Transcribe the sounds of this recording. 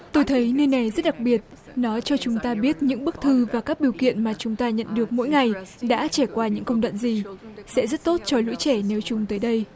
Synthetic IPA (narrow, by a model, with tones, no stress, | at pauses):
t̪o˧jt̪ʰə˨˦jnəː˧jna˨˩jzə˦˥t̚ɗa˨˩k̚ɓi˨˩ət̚nɔ˨˦t͡ɕɔ˧t͡ɕʊ˨˦ŋ͡mt̪aː˧ɓi˦˥ət̚ɲɨ̰˧˥ŋɓɨ˦˥ək̚t̪ʰɨ˧vaː˨˩kaː˦˥k̚ɗi˨˩əwkḭ˧˨ənmaː˨˩t͡ɕʊ˨˦ŋ͡mt̪aː˧ɲə̰˧˨nɗɨ˨˩ək̚mo̰˧˥jŋa˨˩jɗa̰ː˧˥t͡ɕa˧˩kwaː˧ɲɨ̰˧˥ŋkə˧wŋ͡mɗwa̰ː˧˨nzi˨˩sɛ̰˧˥zə˦˥t̚t̪o˦˥t̚t͡ɕɔ˧˩lṵ˧˥t͡ɕɛ˧˩ne˨˦wt͡ɕʊ˨˦ŋ͡mt̪əː˨˦jɗə˧j